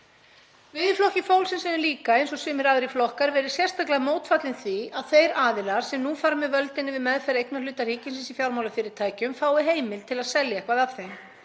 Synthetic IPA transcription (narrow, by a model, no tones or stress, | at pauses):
vɪðflɔhcɪfoːwlsɛnsɛnɪliːkaejnsɔsʏːmɪɾaːðɾiflɔhkaɾvɛːɾɪ̥sjɛrst̪aklaðmoːwt̪fat̪lɪnθviaðθejɾaːðɪlaɾ̥sɛmnufaːɾmɛvœlt̪ɪnːɪvɪðmɛðfɛɾejknalʏːt̪ar̥iːcɪnsɪnsifjawɾmawlafɪːɾɪɾt̪ʰaːjcʏmfaːwɪɦeːjmɪlt̪ʰɪlaðsɛljakʰvaːðav̥θejm